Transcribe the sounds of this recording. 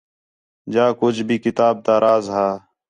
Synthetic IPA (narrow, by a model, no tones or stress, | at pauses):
d͡ʒaːkʊt͡ʃʰbʱiːkɪt̪aːb̚t̪aːɾʔaːzɦaː